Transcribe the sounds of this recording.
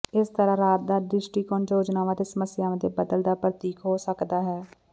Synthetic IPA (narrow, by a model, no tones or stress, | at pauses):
ɪst̪əɾãːɾaːt̪̚d̪aːɖɾɪsʈiːkɔːnoːd͡ʒnaːʋãːt̪eːsəməsɪjãːə̃d̪eːbəd̪əld̪aːpɾət̪iːkɦoːsəkd̪aːɦɛː